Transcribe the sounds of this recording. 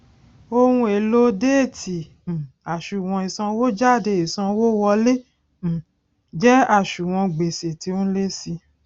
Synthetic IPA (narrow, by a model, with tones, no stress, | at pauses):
o˧wũ˧e˨lo˦de˦e˦˨ti˨ | a˨ʃu˨w̃ɔ̃˧i˨sã˧wo˦d͡ʒa˦˨de˧i˨sã˧wo˦wɔ˧le˦˨ | d͡ʒɛ˦a˦˨ʃu˨w̃ɔ̃˧ɡ͡be˨se˨ti˧o˦le˦si˧